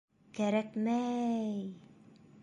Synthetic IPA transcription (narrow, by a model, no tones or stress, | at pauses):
kæɾækmæj